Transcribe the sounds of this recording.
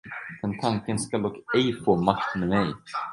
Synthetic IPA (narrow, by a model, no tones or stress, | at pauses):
ɛnt̪ʰaŋkɪnskalɔkejfɔːmaht̪mɛmej